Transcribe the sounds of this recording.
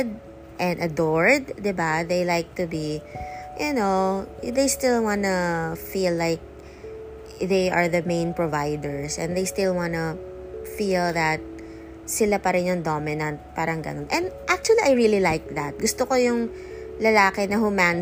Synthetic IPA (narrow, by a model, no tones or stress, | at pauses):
d̪̚ | ʔɛ̃nɐd̪ɔɹd̪̚ːɛbaðejlajk̚t̪ubijʊnoðejst̪ɪlˠwɑ̃nɐfilːaɪk̚ | ðejʔɐɹðɐmẽɪ̃npɹovajd̪ɛɹsʔɛ̰̃nðejst̪ɪlˠwɑ̃nɐ | filˠðɐt̪̚ | sɪlapɐɾɛnjʊŋd̪omɪnɐ̃nt̪̚paːɾɐŋɡɐ̰nonʔɛ̃nd̪ʔak̚t͡ʃuɐliʔajɹililajk̚ðɐt̪̚ɡʊst̪okojʊŋ | lɐlaːkɛnɐɦʊman